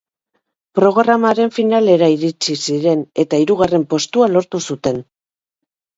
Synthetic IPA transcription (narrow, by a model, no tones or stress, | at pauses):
pɾo̞ɣɾamaɾe̞ɱfinale̞ɾaiɾit͡sisiɾe̞ne̞t̪aiɾuɣare̞mpo̞st̪ualo̞ɾt̪usut̪e̞n